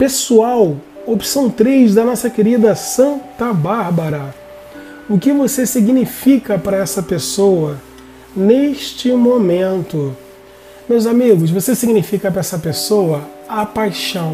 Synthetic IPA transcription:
pesuaw | opi̥sɐ̃w̃t̪ɾezd̪ɐnɔsɐkeɾid̪ɐsɐ̃nt̪ɐbaɾbɐɾɐ | ʊkɪvosesiɡnifikɐpɾɐɛsɐpesowɐ | neʃt͡ʃɪmomẽnt̪ʊ | mewzamiɡʊsvosesiɡnifikɐpɾɐɛsɐpesowɐ | apajʃɐ̃w̃

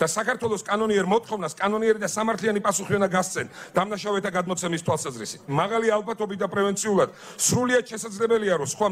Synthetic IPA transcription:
d̪̥asakaɾt̪ʰwɛlˠɔskʼanɔniɛɾmɔt̪ʰχɔvnaskʼanɔniɛɾid̪asamaɾt̪ʰlianipʼasuχiɔnaɡast̪sʰɛnd̪̥amnaʃavɛt̪ʰaɡad̪mɔt̪sʰɛmist̪ʰwalˠsazɾisi̥t̪ʰmaʁalialˠpat̪ʰɔbit̪̚d̪apʼɾɛvɛnt̪sʰiulˠad̪̥ | sɾuliat̪ʃɛsad̪zlɛbɛliaɾɔsχwa

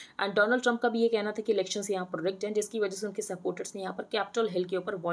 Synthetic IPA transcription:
ɛ̰̃ːɳɖɔːnəlɖʈɾɐ̃mp̚kabʱijekɛɦnat̪ʰakiɪlɛːkʃənsjɐɦãpɾoːd͡ʒɛk̚ʈɦɛ̃d͡ʒɪskiʋɐd͡ʒɛs̬eʊnkesɐpoːɾʈəɾsnẽjɐɦãpɐɾkɛːpɪʈəlɦɛlkeuːpəɾʋɔː

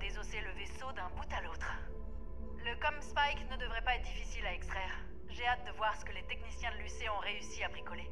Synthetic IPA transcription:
d̪ezoseləvesod̪ɛ̃but̪alot̪χ | ləkɔmspajknəd̪əvʁɛpaɛt̪χd̪ifisilaɛkst̪χɛːʁ | ʒeat̪̚d̪əvwaʁsə̥kəlet̪eknisjɛ̃d̪əlyseɔ̃ʁeysiabʁikɔle

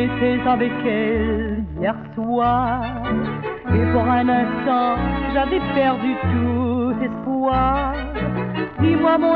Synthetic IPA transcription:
et̪ɛzavɛkɛljɛʁswaʁ | epuʁɛ̃nɛ̃st̪ɑ̃ʒavɛpɛʁd̪yt̪ulɛspwwaʁʁdimwamɔ̃

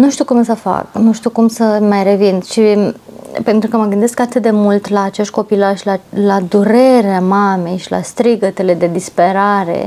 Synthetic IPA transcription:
nuʃt̪iukumsəfa̰knuʃt̪iukumsəmajɾe̞vinʃi | pe̞nt̪ɾukəməɡɨnd̪e̞skat̪ɨt̪̚d̪e̞mult̪laːt͡ʃeʃt̪̚ʲko̞pilaʃlalad̪uɾe̞ɾeamame̞jʃila̰st̪ɾiɡət̪e̞le̞d̪e̞d̪ispe̞ɾaɾe̞̰

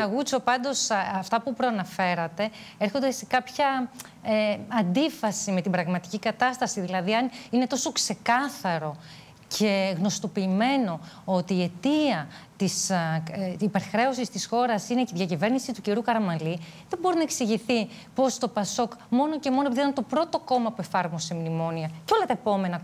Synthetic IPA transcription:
ɐɣut͡so̞pɐnd̪o̞sɐft̪ɐpupɾoɐnɐfe̞ɾɐt̪e̞ | eɾxo̞nd̪e̞se̞kɐpçɐ | eɐnd̪ifɐsime̞t̪ibɾɐɣmɐt̪i̥cikɐt̪ɐst̪ɐsiðilɐðiɐnine̞t̪o̞so̞kse̞kɐθɐɾo̞ | cʰe̞ɣno̞st̪o̞piːme̞no̞ot̪iːe̞t̪iɐt̪isː | pe̞ɾxɾe̞o̞sist̪isxo̞ɾɐsineðʝɐcive̞ɾnisit̪uciɾukɐɾɐmɐliðe̞mbo̞ɾinɐe̞ksiʝiθi | po̞st̪o̞pɐso̞kmo̞no̞ce̞mo̞nopiðeɐnet̪opɾo̞t̪o̞ko̞mɐpue̞fɐɾmose̞mnimo̞niɐceo̞lɐt̪ɐepo̞me̞nɐ

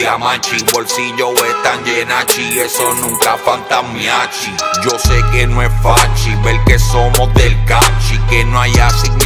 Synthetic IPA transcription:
amat͡ʃipoɾsiʎowet̪aɲd͡ʒenat͡ʃiesonũŋkafant̪amjat͡ʃid͡ʒose̞kenoesfat͡ʃibelke̞so̞mozðelkat͡ʃikenoajasi

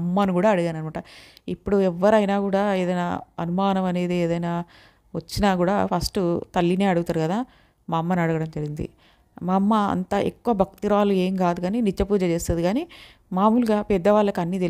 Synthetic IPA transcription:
mːanikuːɽaːɐɽuɡaːnɐnimaʈɐipːuɽuɛʋːɐɾɐjnaːkuːɽaːeːd̪ɐjnaːɐnumaːnɐmɐne̞ːd̪eeːd̪ɐjnaː | ʋɐt͡ʃːinaːkuːɽaːpʰɐsʈut̪ɐlːine̞ːɐɽuɡut̪aːɾukɐd̪aː | maːmːɐnɐɽuɡɐɽɐmd͡ʒɐɾiɡind̪ḭ | maːmːɐɐ̰nt̪ɐʔekːuʋɐbʱɐk̚t̪iɾaːlueːmɡaːd̪uɡaːninit͡ʃːɐpuːd͡ʒɐt͡ʃeːst̪ɐd̪iɡaːniː | maːmuːluɡaːpɛd̪ːɐʋaːɭːɐkiɐnːiːt̪e

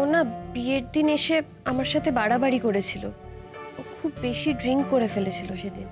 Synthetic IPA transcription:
onabieɾd̪ineʃe | amaɾʃat̪ʰebaɽabaɽikoɾet͡ɕʰilo̰ | okʰubːeʃiɖɾiŋkkoɾefelet͡ɕʰiloʃed̪in

